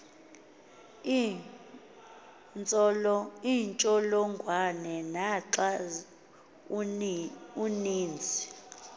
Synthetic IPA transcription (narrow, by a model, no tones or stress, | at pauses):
nt͡sʼɔlɔiːnt͡ʃʼɔlɔŋɡʱwanɛnaǁa | uniːnd͡zʱi